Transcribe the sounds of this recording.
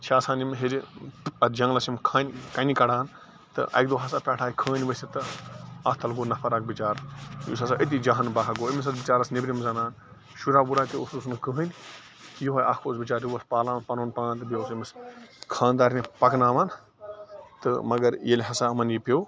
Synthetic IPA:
t͡ʃʰaːsãːnimɦeɾɐd͡ʒɐ̃ŋlɐsimkʰaːnʲkɐnʲikɐɽaːn | t̪ɨ̰ʔɐ̰k̚d̪oːɦɐsaːpʲaːʈʰaːikʰəːnʲʋɐsʲit̪ɨɐst̪ʰɐlɡoːnɐpʰɐɾak̚bit͡ʃaːɾjṵsɐsaːʔit̪̬id͡ʒaːɦɐnbaːɦɐɡoːimis̬ɐt͡sbit͡ʃaːɾɐsnebʲɾimzɐnaːn | ʃuɾaːbuɾaːt̪iṵsusnkəɦənʲ | kijɦoːjɐkʰoːsbit͡ʃaːɾiʋɐspaːlaːmnpɐnoːnpãːnt̪ɨbioːsimiskʰãːnd̪aːɾnipɐknaːmɐn | t̪ɨ̰mɐɡɐɾjelʲɦɐsaɐmɐnjipʲow

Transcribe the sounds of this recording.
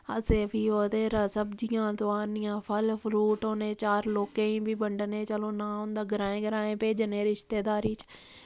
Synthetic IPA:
ə̰seːpiːoːd̪eːɾəsəbd͡ʒɪjãːt̪oaːnɪjãːpʰəlpʰluːʈɦoːneːt͡ʃaːɾloːkẽːĩːbʱiːbəɳɖneːt͡ʃəloːnãːõnd̪aːɡəɾãːẽːɡəɾaːẽːpeːd͡ʒneːɾɪʃt̪eːd̪aːɾiːt͡ʃ

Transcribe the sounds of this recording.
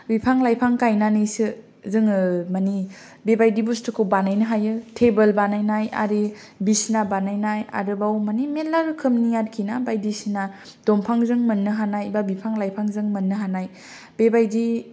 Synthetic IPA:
bipʰaŋlajpʰaŋkajnanɯjsɯ | zɯŋɯmani | bebajdibustʰɯkʰɯwbanajnɯɦajɯtʰebelbanajnaja̰ɾi | bisnabanajnaja̰ɾɯbawmanimelaɾɯkʰɯmnijatkʰinabajdisina | d̥ompʰaŋzɯŋmɯnːɯɦanajbabipʰaŋlajpʰaŋzɯŋmɯnːɯɦanaj | b̥ebajdi

